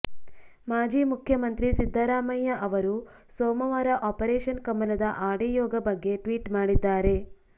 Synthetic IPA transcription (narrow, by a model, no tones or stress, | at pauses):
maːd͡ʒiːmukʰjɐmɐnt̪ɾisid̪ʱːɐɾaːmɐjːɐʔɐʋɐɾu | sɔːmɐʋɐɾɐʔɔːpɐɾɛːʃɐnkɐmːɐlɐd̪ɐʔaːɽijɔːɡɐbɐɡːe̞ʈʋiːʈmaːɽid̪ːaːɾe̞